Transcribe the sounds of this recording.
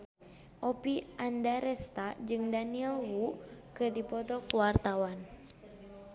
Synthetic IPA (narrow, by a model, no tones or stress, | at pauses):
ʔopiʔandaɾɛst̪ad͡ʒɨŋdaniɛlwukɨrdipɔt̪ɔkuwart̪awan